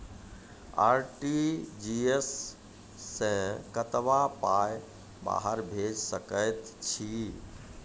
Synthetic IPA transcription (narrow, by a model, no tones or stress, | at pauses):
a̰ːɾʈid͡ʒiesː | ẽkət̪ʋapaj | ba̰ːɦəɾbʱeːd͡ʒsəkəjt̪t͡ʃʰiː